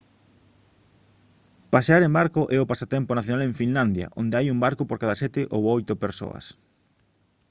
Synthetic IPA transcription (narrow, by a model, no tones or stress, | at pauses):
paseaɾẽmbaɾkoʔɛopasat̪ɛmponaθjonalẽɱfinland̪ja̰ʔond̪eajumbaɾkopoɾkaðɐsɛt̪ɪʔowojt̪ʊpeɾso̰ɐ̰s